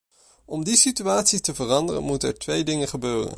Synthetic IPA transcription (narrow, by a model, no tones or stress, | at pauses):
ʔɔmdisityaːtsitəvərɑndərə̰nmutəɛ̰ɹtʋejdɪŋəχəbøːrə̰n